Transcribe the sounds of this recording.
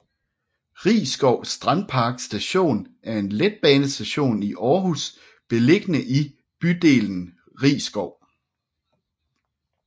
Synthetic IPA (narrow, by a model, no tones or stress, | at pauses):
ʁḭːsɡ̥ɒʊsd̥ʁɑ̈n̥̚pʰɑ̈ɡ̥sd̥æɕo̝̰ːnæɐe̝nled̥̚b̥ɛːnəsd̥æɕo̝̰ːniʔɒːɦus | b̥e̝le̝ɡ̥ənəʔi | b̥yd̥e̝̰ːln̩ | ʁḭːsɡ̥ɒʊ̰